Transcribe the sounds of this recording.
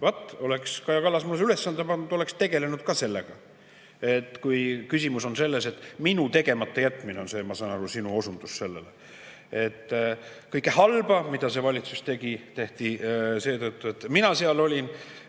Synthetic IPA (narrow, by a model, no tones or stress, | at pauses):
vɑt̪ːˑo̞lekskɑjɑkɑlːɑsmulːesylesːɑnd̪epɑnd̪ud̪̥o̞le̞kst̪e̞ɡ̥e̞le̞nud̪̥kɑse̞lːeɡ̥ɑ | et̪ːˑkujkysʲimuso̞nse̞lːe̞se̞t̪ːˑminut̪e̞ɡe̞mɑt̪ːejæt̪ːˑmineo̞nse̞ːmɑsɑːnɑlusinuo̞sund̪̥usse̞lːelḛ | e̞t̪ː | kɤjkːˑehɑlb̥ɑmid̪̥ɑse̞vɑlʲit̪sust̪e̞ɡ̥it̪e̞ht̪ise̞ːt̪ɤt̪ːˑuet̪ːminɑseɑlo̞lʲin